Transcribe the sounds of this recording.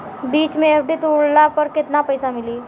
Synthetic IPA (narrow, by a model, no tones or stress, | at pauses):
biːt͡ʃmẽepʰɖit̪uɽlapəɾkɪt̪napəjsamɪliː